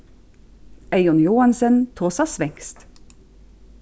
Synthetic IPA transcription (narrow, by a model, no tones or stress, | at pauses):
eɪʊnjuːɑnsənt̪ʰoːsɑsʋɛŋst̪